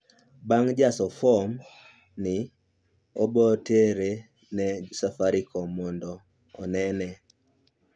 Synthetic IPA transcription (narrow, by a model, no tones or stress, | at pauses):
baŋd͡ʒasɔfɔm | nɪ | ɔbɔteɾe | nɛsafaɾikʰɔmɔndɔː | nɛnɛ